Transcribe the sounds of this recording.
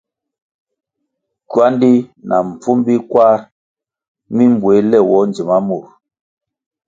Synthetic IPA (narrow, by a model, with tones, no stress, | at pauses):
kwa˦ndi˦nʔa̰˨m̩˨p͡fu˦mbi˦kwa˦ɾ | mi˦mbwe˨˦lɛ˦˨wɔ˨˦n˨d͡ʒi˨ma˦mu˦˨ɾ